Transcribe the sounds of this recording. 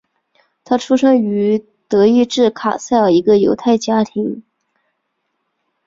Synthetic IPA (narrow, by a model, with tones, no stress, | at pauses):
t̪ʰa˥ʈ͡ʂʰu˥ʂɤ˥ŋy˧˥ | t̪ɤ˧˥i˥˧ʈ͡ʂɻ̩˥˩kʰa˨˩sa˥˩ɪə˞˨˩i˧˥ɡə˧jo˧˥ʊt̪ʰa˥˩ɪt͡ɕja˥t̪ʰi˧˥ŋ